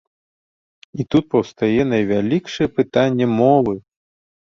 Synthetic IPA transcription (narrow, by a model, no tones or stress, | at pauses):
it̪ut̪̚pɐwst̪ajɛnɐjvʲalʲikʂɨjɛpɨt̪anʲːɛmɔvɨ